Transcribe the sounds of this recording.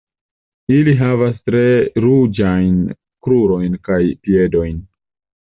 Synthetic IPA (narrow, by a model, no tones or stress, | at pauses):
iliɦavastɾe̞ɾud͡ʒajn | kɾuɾo̞jnkajpie̞do̞jn